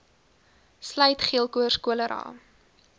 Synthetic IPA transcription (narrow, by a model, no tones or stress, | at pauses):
slœɥtχiəlˠkuərskuələɾʔɑ̰ː